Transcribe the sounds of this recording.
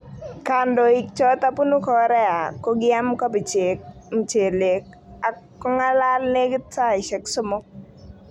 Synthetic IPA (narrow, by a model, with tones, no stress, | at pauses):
ka˨ndo˨i˨k̚t͡ʃɔ˦t̪a˦pu˦nu˦kɔ˦ɾɛ˦a˨ko˦ɡɪa˦mkɔ˦pi˨t͡ʃekm˨t͡ʃe˨le˨k̚ | a˨ | ɔ˦ŋa˦la˦lne˦ɡtsa˦i˨ʃɛ˨ksʊ˦mʊ˦k̚